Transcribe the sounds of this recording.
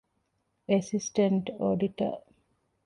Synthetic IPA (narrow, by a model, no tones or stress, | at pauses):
esisʈeɳʈoːɖiʈə̰